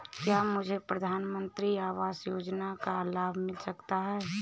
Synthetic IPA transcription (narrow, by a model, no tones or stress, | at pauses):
kjamʊd͡ʒʱepɾəd̪ʱaːnmə̃nt̪ɾiaːʋaːsjoːd͡ʒnakalaːbʱmɪlsəkt̪aɦɛ